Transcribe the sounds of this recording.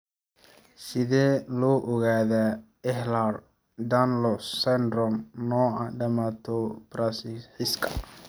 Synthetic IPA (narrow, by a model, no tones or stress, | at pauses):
sɪðɛːlɔːʔɔɣaːða | ɛhlar | d̪anlɔsand̪ɾɔmnɔːɐɖɐmat̪ʰɔb̥ɾasɪħɪskʰɐ̥